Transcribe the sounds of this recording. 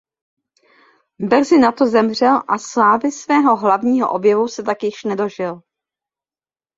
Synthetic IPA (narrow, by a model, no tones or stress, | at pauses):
br̩zɪnat̪ozɛmr̝ɛlʔaslaːvɪsvɛːɦo̞ɦlavɲiːɦo̰ʔo̞bjɛvusɛt̪akjɪʃnɛdo̞ʒɪl